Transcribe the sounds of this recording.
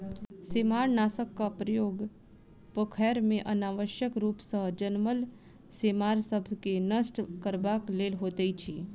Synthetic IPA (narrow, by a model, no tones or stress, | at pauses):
seːmaːɾnaːsəkːapɾəjoːɡ | pəkʰɛːɾmẽʔənaːʋəʃjəkɾuːpsəɦd͡ʒənməl | seːmaːɾsəbʱkenəsʈkəɾbaːkleːlɦoːt̪eit͡ʃʰiː